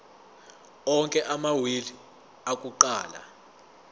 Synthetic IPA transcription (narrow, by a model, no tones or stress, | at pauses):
ɔŋkʼɛʔamawili | akʼuǃaːla̰